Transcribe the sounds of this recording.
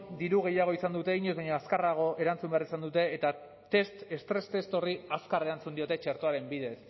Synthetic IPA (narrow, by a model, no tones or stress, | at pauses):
d̪iɾuɣe̞jaɣ̞o̞isand̪ut̪e̞iɲuzβaɲoaskaraɣ̞o̞ʔe̞ɾant͡sumbearisand̪ut̪e̞ːt̪a | t̪e̞st̪e̞st̪ɾe̞st̪e̞st̪o̞riaskare̞ɾant͡sund̪io̞t̪e̞t͡ʃe̞ɾt̪oaɾe̞mbiðe̞s